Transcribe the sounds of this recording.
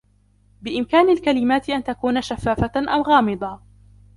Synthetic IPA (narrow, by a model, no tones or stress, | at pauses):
bɪʔɪmkaːnalkalɪmaːt̪ɪʔant̪akuːnaʃafːaːfaʔawɣɑːmɪd̪ˤɑ